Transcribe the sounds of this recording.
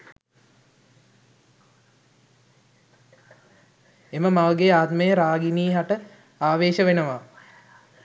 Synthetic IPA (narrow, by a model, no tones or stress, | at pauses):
eməmaʋəɡeaːt̪məjəɾaːɡiniːɦaʈə | aːʋeːʃəʋenəʋa